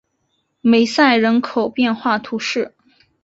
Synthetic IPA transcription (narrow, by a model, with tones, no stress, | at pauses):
me˧˥ɪsa˥˩ɪɻə˧˥nkʰo˨˩ʊpjɛ˥˧nxwa˥˩t̪ʰu˧˥ʂɻ̩˥˩